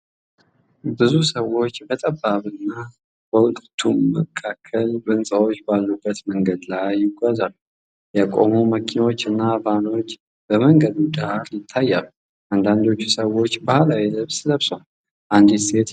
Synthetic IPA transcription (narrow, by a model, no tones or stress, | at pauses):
bɨzusəwo̞t͡ʃːbət̪ʼəbːaβɨnːa | b̥əwʊlʼt̪ʰumːəkʰːakʰːəlbɨnsʼawot͡ʃːbalːubːət̪məŋɡəd̪lajːɪɡʷazalːu | jɛkʼo̞̰muməkʰinawo̞t͡ʃːɨnːabano̞t͡ʃː | b̥əməŋɡəd̪ud̪ahaɾjɪt̪ʰːajːalu | ʔand̪and̪o̞t͡ʃːusəwo̞t͡ʃːbahalawiləβsləβso | ʔand̪ise̞t̪